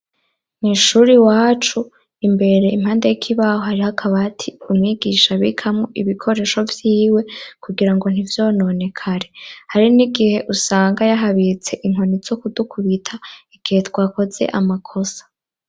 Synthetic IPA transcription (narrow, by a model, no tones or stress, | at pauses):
niʃuɾiwaːt͡ʃu | imbe̞ɾe̞im̥haːndejikʰiβahohaɾihakʰaβatʰiumŋiːɡiːʃaβḭkʰamŋo̞ʔiβikʰo̞ɾe̞ːʃo̞vjiːwe̞kuɡiɾaŋɡo̞n̥ivjo̞ːnone̞kʰaɾe̞haɾiniɡihe̞ʔusaːŋɡajaɦaβit͡se̞ʔiŋ̥honiz̥okudukʰuβitʰaiɡ̥ihe̞twaːko̞ze̞̰ʔamakʰo̞sḁ